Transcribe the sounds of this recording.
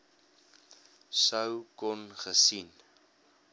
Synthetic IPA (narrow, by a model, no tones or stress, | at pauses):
səwkɔnχəsin